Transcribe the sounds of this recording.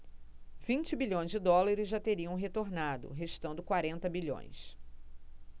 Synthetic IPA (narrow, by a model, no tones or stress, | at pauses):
v̥ĩnt͡ʃɪbiʎõj̃zd͡ʒɪd̪ɔlaɾɪzʒat̪eɾiɐ̃w̃ɦet̪oɾnad̪ʊ̰ɦeʃt̪ɐ̃nd̪ʊkwaɾẽnt̪ɐbiʎõ̰j̃s